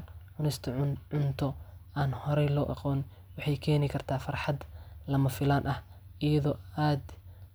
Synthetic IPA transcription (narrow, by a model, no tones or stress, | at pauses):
ʕʊnɪst̪ʰʕʊnt̪ʰɔaːnhɔɾɛjlɔːʔɑ̰qɔːn | wɑħɑjkʰɛːnɪkʰɐrt̪ʰaːfɐrħɑd̪lɐmɐfɪlaːnʔɐhɪjɐðɔːaːd̪